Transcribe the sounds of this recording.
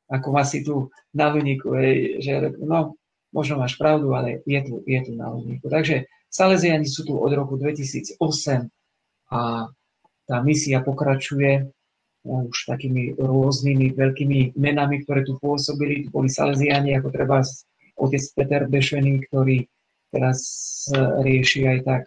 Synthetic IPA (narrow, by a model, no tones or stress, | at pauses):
akɔmaːsit̪u | naluɲiːkṵɦɛjʒɛnɔ | mʔɔʒnɔmaːʃpɾaʊd̪ualɛjɛt̪ujɛt̪una̰lṵɲḭːkut̪aɡʒɛ | salɛzɪaɲisuːt̪uʔɔ̰d̪ɾɔkud̪ʋɛcisḭːd͡zɔsɛm | a | t̪aːmisiapɔkɾat͡ʃujɛ | uʃt̪akiːmiɾʊɔznimiʋɛʎkiːmimɛnamik̚t̪ɔɾɛːt̪upʊɔsɔbilit̪ubɔlisa̰lɛzɪaɲiakɔt̪ɾɛbas | ɔcɛt͡spɛt̪ɛɾbɛʃɛniːkt̪ɔɾiː | t̪ɛɾas | ɾɪɛʃiajt̪ak